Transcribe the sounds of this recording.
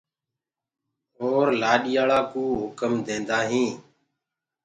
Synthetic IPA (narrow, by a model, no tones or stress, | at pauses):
ɦoːɾlaːɗɪjaːɭaːkũːɦʊkəmd̪ẽːnd̪aːɦĩː